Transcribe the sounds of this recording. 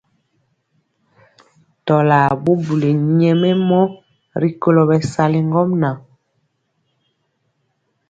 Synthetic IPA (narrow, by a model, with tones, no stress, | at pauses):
tɔ˨la˨bu˦bu˨le˨ɲɛ˨mɛ˦mɔ˦ | ɾi˦ko˦lo˨bɛ˨sa˦li˦ŋɡɔ˦mna˨